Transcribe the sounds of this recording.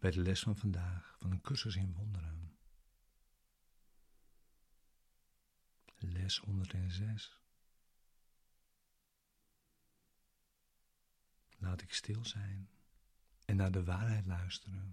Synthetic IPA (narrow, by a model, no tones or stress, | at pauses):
b̥ɛjdəlɛsfɔnfandaːxfɔnənkʰørsəsɪnʋondəɾən | lɛshɔndərtɛnzɛs | laːtɪkstɪlˠzɛjn | ɛnːaːdəʋaːrɦɛjtlœɥstərən